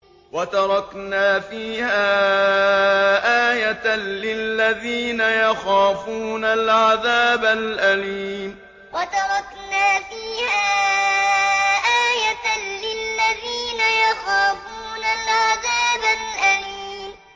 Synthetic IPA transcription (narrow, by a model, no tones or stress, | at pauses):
wat̪ɑɾˤɑknaːfiːhaː | ʔaːjat̪alɪlːaðiːnajaxaːfuːnalʕaðaːbalʔaliːm | wat̪ɑɾˤɑknaːfiːhaː | ʔaːjat̪ːɪlːaðiːnajaxaːfuːnalʕaðaːbalʔaliːmm